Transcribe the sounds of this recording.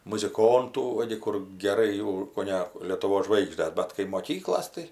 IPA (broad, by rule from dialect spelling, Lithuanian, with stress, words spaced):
mʊzʲɪˈkoːntuː ˈʋɐ ɡʲɪ kʊr ɡʲɛˈrɐɪ jɛʊ koːˈnʲɛ lʲiɛtʊˈʋoːs ˈʒʋɐɪɡʒʲdʲɛs ˈbɐt kɐɪ moːˈkʲiːklˠoːs tɐɪ